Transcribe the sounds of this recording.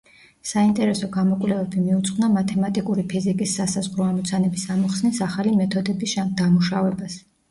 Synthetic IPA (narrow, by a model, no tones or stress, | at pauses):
saint̪ʼɛɾɛsɔɡamɔkʼlɛvɛbimiut̪sʼqʼvnamat̪ʰɛmat̪ʼikʼuɾipʰizikʼisːasazʁɾɔamɔt̪sʰanɛbisamɔχsnisaχalimɛt̪ʰɔd̪ɛbisʃad̪amuʃavɛbas